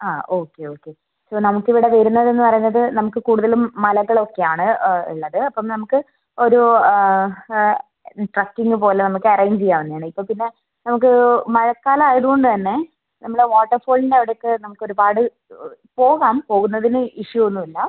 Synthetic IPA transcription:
aːo̞ːkːe̞o̞ːkːe̞ | soːnɐmukːiʋiɽeʋɐɾunːɐðe̞nːɨpɐrɐjɲːɐðɨnɐmukːɨkuːɽuðɐlumːɐlɐɣːɐɭo̞kːe̞jaːɳɨḭɭːɐðɨɐpːɐmnɐmukːɨ | o̞ɾu | ʈrɐkːiŋɡɨpo̞ːle̞nɐmukːɨɐrɐjɲt͡ɕejːaːʋenːjaːɳɨipːo̞ːpinːe̞ | nɐmuk̬ːɨmɐɻɐkːaːlɐaːjɐðuɣoɳɖɨt̪ɐnːe̞ | nɐmːɐɭɽeʋoːʈːɐrfoːɭindeʋiɽejokːɨnɐmukːo̞ɾubaːɽɨ | po̞ːɣaːmpo̞ːɣunːɐðinɨiʂjuonːuilːɐ

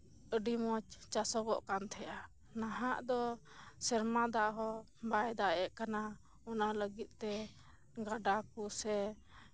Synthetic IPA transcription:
əɖimɔt͡ʃt͡ʃasɔɡɔʔkant̪ʰɛja | naɦaʔd̪ɔ | sɛɾmad̪aʔɦɔ | bajd̪aɛʔkana | ɔnaləɡit̪̚ˀt̪ɛ | ɡaɖakusɛ

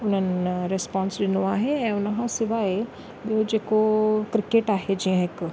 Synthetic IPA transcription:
ʊnənɪɾɪspɔ̃ːnsɗɪnoaːɦeɛ̃ːʊnɦãsɪʋae | ɗod͡ʒeːkokɾɪkeːʈaːɦed͡ʒiãɦɪk

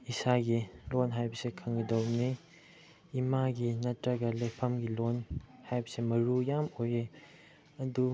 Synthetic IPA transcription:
isaɡilonɦajbɐsekʰɐŋɡɐdowniː | maɡinɐtɾɐɡɐlejpʰɐmɡilonhajbɐsemɐɾujamoje | ɐdu

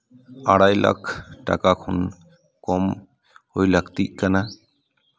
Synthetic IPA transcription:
aɽajlʔa̰kʰʈa̰kakʰɔn | kɔm | hojlakt̪iʔ̚kana

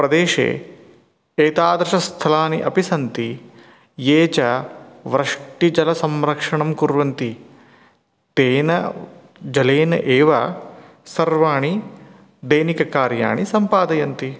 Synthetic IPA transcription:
pɾɐd̪eːʃḛː | eːt̪aːd̪ɾɐʂɐst̪ʰɐlaːniʔɐpisɐnt̪i | jeːt͡ʃɐʋɾɐʂʈid͡ʒɐlɐsɐmɾɐkʂɐɳɐmkuɾʋɐnt̪i | t̪eːnɐ | d͡ʒɐleːnɐʔeːʋɐ | sɐɾʋaːɳi | d̪ɐjnikɐkaːɾja̰ːɳisɐmpaːd̪ɐjɐnt̪i

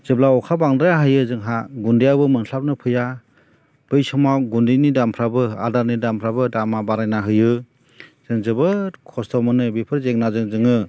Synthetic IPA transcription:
z̥ɯblaɔkʰabaŋdɾajaɦɯjɯzɯŋɦaɡundijabɯmɯnɬʰap̚nɯpʰɯja | b̥ɯjsɔmaɡundinidampʰɾabɯa̰daɾnidampʰɾabɯdamabaɾajnaɦɯjɯ | z̥ɯŋzɯbɯkʰɔstʰɔmɯnɯbipʰɯɾzeŋ̚nazɯŋzɯŋɯ

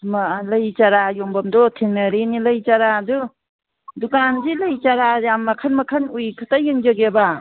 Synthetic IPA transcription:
maləjt͡ʃaɾajɔmbamdɔtʰeŋnaɾiniləjt͡ʃaɾadu | dukanzilajt͡ʃaɾaamːakʰanmakʰanujkʰɯtajɯŋd͡ʒaɡeba

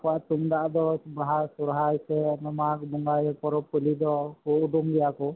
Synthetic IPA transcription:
kɔaʔt̪uŋd̪aʔd̪ɔbaɦaɾsɔɾɦajsɛnɔmak̚bɔŋɡajɔpɔɾɔpɔlid̪ɔkuʔud̪uŋɡɛjakɔ

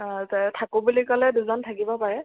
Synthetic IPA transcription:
ttʰakubulikɔlɛduzɔntʰakibɔpaɹɛ

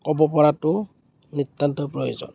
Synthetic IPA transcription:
kɔbɔpɔɹatʊ | nitːantɔpɹɔjozɔ̰n

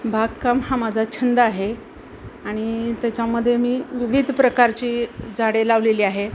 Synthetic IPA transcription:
bʱaɡkamhamad͡zʱat͡ɕʰənd̪əaɦe | aɽ̃it̪jat͡ɕjaməd̪ʱːjemiːʋiʋid̪ʱpɾəkaɾt͡ɕiːd͡zʱaɽelaʋleliːaɦe

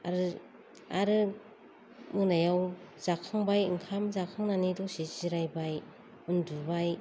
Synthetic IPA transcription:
a̰ɾɯ | aɾɯ | munajawzakʰaŋbajɯŋkʰamzakʰɯŋnanidɔsiziɾajbaj | unduɾbaj

